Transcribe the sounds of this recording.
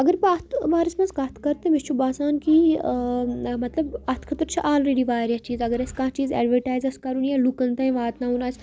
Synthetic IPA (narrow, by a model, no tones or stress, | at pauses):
ɐɡɐɾpɐɐt̪ʰʋaːɾɐsmɐnzkɐt̪ʰkɐɾt̪emist͡ʃʰubaːsaːnki | mɐt̪lɐbɐt̪ʰkʰɐt̪ɾt͡ʃʰiʔaːlɾeːɖiʋaːɾjat͡ʃiːzɐɡɐɾɐskaːt͡ʃiːzḛːɖʋɐɾʈaːjzɐskɐɾunjɐlukɐnt̪ɐːĩʋaːt̪naɦunaːs